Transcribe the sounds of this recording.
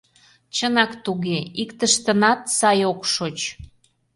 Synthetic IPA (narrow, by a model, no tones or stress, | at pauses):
t͡ɕənɑkt̪uɣeikt̪əʃt̪ə̆nɑt̪sɑjokʃot͡ɕ